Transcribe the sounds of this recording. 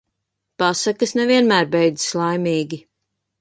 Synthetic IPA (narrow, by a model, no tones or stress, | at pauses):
pasakɐsnɛviɛnmæːɾbɛjd̪zslˠajmʲiːɡʲi